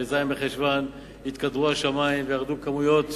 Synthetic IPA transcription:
ezaimbeχeʃvan | hit̪kad̪ʁuhaʃamaimvejaʁd̪ukamujo̞t̪

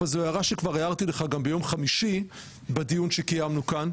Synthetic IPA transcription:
azojaʁaʃekvaʁeaʁt̪ileχaɡambejo̞mχamiʃi | bad̪ijunʃekajamnukan

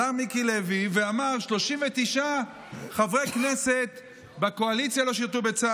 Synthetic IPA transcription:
aʁmikileviveamaʁʃlo̞ʃimvet̪iʃa | χavʁekne̞se̞t̪ | bako̞alit͡sjalo̞ʃ̬iʁt̪ube̞t͡sa

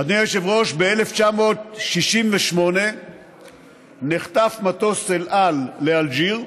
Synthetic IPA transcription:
ad̪nijeʃevʁo̞ʃbeeleft͡ʃamo̞t̪̚ʃiʃimveʃmo̞ne̞ | neχt̪afmat̪oselʔalːeald͡ʒiʁ

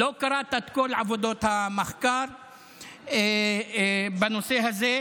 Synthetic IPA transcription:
lokaɾˤat̪at̪kolʕavod̪ot̪hamaxkaɾˤ | e | banoseɦaze

